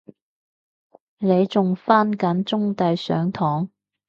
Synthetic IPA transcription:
ne˨˧jt͡sʊ˨ŋfaː˥nkɐ˨˥nt͡sʊ˥ŋt̪ɐ˨jsœ̰ː˨˥ŋt̪ʰɔː˨˥ŋ

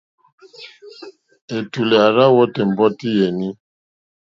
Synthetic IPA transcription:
e˨tu˨le˨a˨ɾa˦wɔ˦tɛ˨m̩˨bɔ˦ti˦je˨nĩ˦

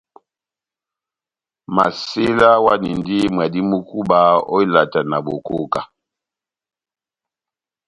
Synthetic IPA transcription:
ma̰˨se˦la˦wa˦ni˨ndi˦mwa˨di˦mu˦ku˦ba˦ɔ̰˦i˦la˨ta˨na˨bo˨ko˦ka˨

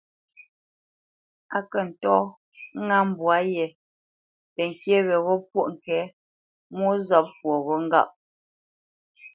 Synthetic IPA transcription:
a˨kɛ˨n̩˨tɔː˦ | ŋa˦m̩˨bwa˦jɛ˨ | tɛ˨ŋ˨kje˦βɛ˨ɣɔ˦p̚wo˦ʔŋ̩˨kɛ˨˦ | mo˦zɔ˦p̚fwɔ˨ɣɔ˦ŋ̩˦ɡa̰˦˨p̚

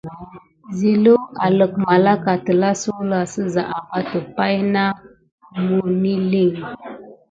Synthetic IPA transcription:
zi˨lu˦a˨lə˨k̚ma˨la˦ka˨tə˨la˦su˦la˨sə˦za˨ʔa˨ɣa˦tə˨pa˦jna˦ | mu˦ni˦le˦˨ŋ

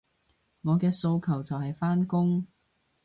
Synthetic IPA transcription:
ŋɔː˨˧kɛː˧so˧wkʰɐ˨˩wt͡sɐ˨whɐ˨jfaː˥nkʊ˥ŋ

